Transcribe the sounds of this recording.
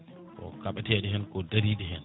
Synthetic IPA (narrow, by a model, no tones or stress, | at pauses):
kɔ̰kaɓatɛɗɛɦɛnkɔdaɾiːɗɛɦɛn